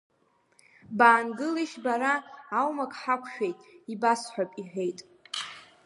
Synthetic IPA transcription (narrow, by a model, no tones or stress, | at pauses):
baːnɡɨliʃbaɾaːwmakʼħakʷʰʃᶣejtʼibasħʷᶣapʼiħʷᶣe̞jtʼ